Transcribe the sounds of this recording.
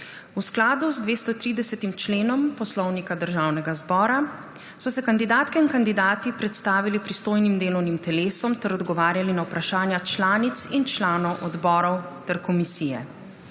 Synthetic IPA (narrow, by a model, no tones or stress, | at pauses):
usklaːd̪uzd̪ʋeːst̪ɔt̪ɾiːd̪ɛsɛt̪imt͡ʃleːnɔmpɔslɔwnikad̪əɾʒaːwnɛɡazbɔːɾa | sɔsɛkand̪id̪aːt̪kɛinkand̪id̪aːt̪ipɾɛt̪st̪aːʋilipɾist̪oːjnimd̪eːlɔwnimt̪ɛleːsɔmt̪ɛɾɔd̪ɡɔʋaːɾjalinawpɾaʃaːnjat͡ʃlaːnit̪sint͡ʃlaːnɔwʔɔd̪bɔːɾɔwt̪ɛɾkɔmisiːjɛ̰